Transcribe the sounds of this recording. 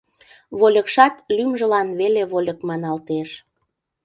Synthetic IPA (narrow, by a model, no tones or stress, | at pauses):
βolʲəkʃɑt̪lymʒə̆lɑnβeleβolʲə̆kmɑnɑlt̪eʃ